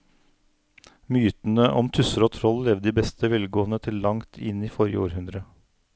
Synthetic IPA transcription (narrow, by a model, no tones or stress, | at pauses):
myːt̪n̩əʔɔmt̪ʰʉsəɾoːt̪ʰɾɔllɛʋd̪iːbɛst̪ʰəʋɛlɡoːənət̪ʰɪllɑŋt̪ʰɪniːfɔɾjə̰o̰ːɾhʉnd̪ɾə